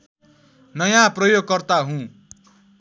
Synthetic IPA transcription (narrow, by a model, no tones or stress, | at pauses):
nʌjãprʌjoɡ̚kʌrt̪aɦũ